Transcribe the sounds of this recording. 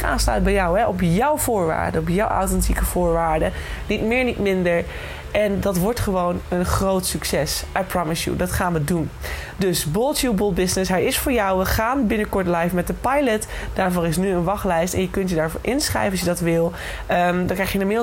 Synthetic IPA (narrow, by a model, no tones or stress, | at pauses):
a̰ːnslœ̰ɥt̚bɛjɔwɦɛʔɔpjɔwv̥ʊːɹʋa̰ːɹdəɔpjɔwʔa̰wtɛntikəv̥ʊːɹʋaːɹdənitmɪːɹnitmɪndəɹ | ʔɛndɑtʋɔɹtχəʋownənχrowtsyksɛsʔapɹɑmɪsjṵdɑtχaːnʋədun | dɵsbɔlˠtjubʊlˠbɪsnɪsɦɛjɪsfʊːɹjɔwʋəχaːnbɪnəkɔɹtlɛjfmɛt̚dəpɑjlətd̥aːɹvʊːrɪsnyənʋɑχlɛjstɛ̰njəkɵntjədaːɹvʊ̰ːɹʔɪnsχrɛ̰jvənɑs̬jədɑtʋɪlˠ | dɑ̃ŋkrɛjχjənəmɪ